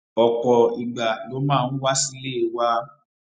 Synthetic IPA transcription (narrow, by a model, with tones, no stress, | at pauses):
ɔ˨kɔ˨i˨ɡ͡ba˨lo˨˦mãː˦˨ñ̩˦wa˦si˦le˦e˨wa˦